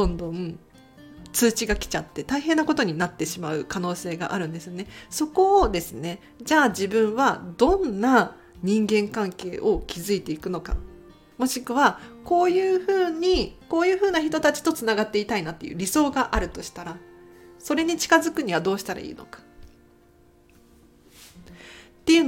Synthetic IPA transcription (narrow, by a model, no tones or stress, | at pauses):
d̪̥õ̞nd̪õ̞ | t͡sɨːt͡ɕiɡakʲi̥t͡ɕat̪ːe̞t̪aiɦẽ̞nːako̞t̪o̞ɲ̟inat̪ːe̞ɕimaɯ̟kano̞ːse̞ːɡa̰ʔaɾɯ̟̃nd̪e̞sɨjo̞ne̞so̞ko̞ːd̪e̞sɨne̞ | d͡ʑaːd͡ʑibɯ̟̃ɰ̃βad̪õ̞nːa | ɲ̟ĩŋɡẽ̞ŋkãŋke̞ːʔo̞kʲizɨit̪e̞ikɯ̟no̞ka̰ | mo̞ɕikɯ̟βako̞ːjɯ̟ːɸɯ̟ːɲiko̞ːjɯ̟ːɸɯ̟ːnaçit̪o̞t̪at͡ɕi̥t̪o̞t͡sɨnaɡat̪ːe̞it̪ainat̪ːe̞jɯ̟̰ːɾʲiso̞ːɡaʔaɾɯ̟t̪o̞ɕi̥t̪aɾaso̞ɾe̞ɲ̟it͡ɕi̥kazɨkɯ̟ɲ̟iβad̪o̞ːɕi̥t̪aɾa̰ḭːno̞̰kḁ | t̪ːe̞jɯ̟n